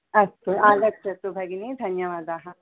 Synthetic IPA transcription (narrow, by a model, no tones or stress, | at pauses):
ɐsuaːlək̚t͡ʃɐt̪ubʱɐɡinid̪ʱɐnjɐʋaːd̪aːɦɐ